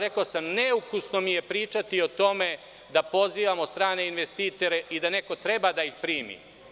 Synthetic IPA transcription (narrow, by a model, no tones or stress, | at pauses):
ɾe̞kaːsamneukusno̞mije̞pɾiːt͡ʃat̪io̞t̪o̞me̞ | d̪apo̞ziːʋamot̪st̪ɾaːne̞inʋest̪iːt̪o̞ɾeʔid̪ane̞ko̞t̪ɾe̞bad̪aixpɾiːmḭ